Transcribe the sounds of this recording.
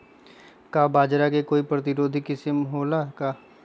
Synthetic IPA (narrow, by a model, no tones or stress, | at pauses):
kabaːd͡ʒɾakekoːipɾɐt̪ɪɾoːd̪ʱikɪsɪmɦoːlaka